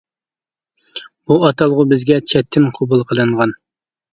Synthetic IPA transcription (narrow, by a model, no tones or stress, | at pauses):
b̥uɑt̪ʰɑlˠʁʊbɪzɡʲɛt͡ʃʰɛt̪ʰːɪnqʰobulˠqʰəlˠɨɴʁɑn